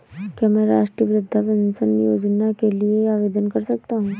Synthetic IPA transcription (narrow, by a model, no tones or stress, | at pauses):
kjamɛ̃ːɾa̰ːʃʈɾiʋɾʊd̪ʱːapɐnsənjoːd͡ʒnakelieaːʋeːd̪ənkɐɾsɐk̚t̪aɦũː